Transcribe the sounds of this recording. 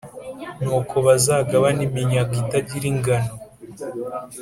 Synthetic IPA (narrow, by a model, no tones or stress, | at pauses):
nuːkʰo̞βazaːɡaβanimiɲaɡitaɟiɾiŋɡano